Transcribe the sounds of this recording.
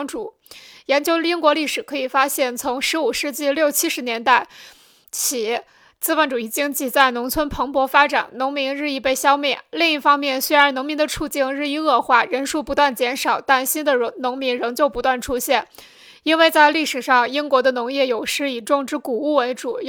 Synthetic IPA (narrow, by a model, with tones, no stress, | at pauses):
ŋʈ͡ʂu˨˩˦ | jɛ˧˥nt͡ɕjo˥ʊi˥nkwɔ˧˥li˥˩ʂɻ̩˨˩kʰɤ˧˥i˨˩fa˥ɕjɛ˥˩nt͡sʰʊ˧˥ŋʂɻ̩˧˥u˨˩ʂɻ̩˥˧t͡ɕi˥˧ljo˥˩ʊt͡ɕʰi˥ʂɻ̩˧˥njɛ˧˥nt̪a˥˩ɪ | t͡ɕʰi˨˩˥ | t͡sɹ̩˥fə˧˩nʈ͡ʂu˨˩i˥˩t͡ɕi˥ŋt͡ɕi˥˩t͡sa˥˩ɪnʊ˧˥ŋt͡sʰwə˥npʰɤ˧˥ŋpwɔ˧˥fa˥ʈ͡ʂa̰˨˩˦nnʊ˧˥ŋmi˧˥ŋɻɻ̩˥˧i˥˧pe˥˩ɪɕjɑ˥ʊmjɛ˥˩li˥˧ŋi˥˩fɑ˥ŋmjɛ˥˩nswe˥ɪɻə˧˥nʊ˧˥ŋmi˧˥ŋd̪ə˧ʈ͡ʂʰu˥˧t͡ɕi˥˧ŋɻɻ̩˥˧i˥˧ɤ˥˧xwa˥˩ɻə˧˥nʂu˥˩pu˧˥t̪wa˥˩nt͡ɕjɛ˧˥nʂɑ˨˩ʊt̪a˥˩nɕi˥nd̪ə˨˧˥nʊ˧˥ŋmi˧˥ŋɻɤ˧˥ŋt͡ɕjo˥˧ʊpu˧˥t̪wa˥˩n˩ʈ͡ʂʰu˥ɕjɛ˥˩n | i˥nwe˥˧ɪt͡sa˥˧ɪli˥˩ʂɻ̩˨˩ʂɑ˥˧ŋi˥nkwɔ˧˥d̪ə˧nʊ˧˥ŋjɛ˥˩jo˨˩ʊʂɻ̩˥i˨˩ʈ͡ʂʊ˥˧ŋʈ͡ʂɻ̩˥ku˨˩u˥˩we˧˥ʈ͡ʂu˨˩